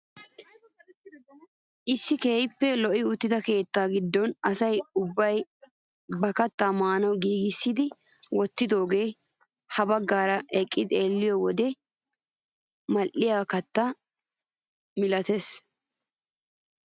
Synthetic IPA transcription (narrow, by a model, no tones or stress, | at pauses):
ʔɪsːɪkeːjpːɛlɔʔɪʊt̪ːɪt̪ɐke̞ːt̪ːaːɡɪd̪ːɔnɐsɐjʊbːɐj | bɐkɐt̪ːaːmaːnɐwɡiːɡɪsːɪd̪ɪwɔt̪ːɪd̪o̞ːɡe̞ː | hɐbɐɡːaːɾɐʔɛkʼːɪd̪ɪeːlːɪjɔwɔd̪ɛ | mɐlʔɪjaːkɐt̪ːa | mɪlɐt̪es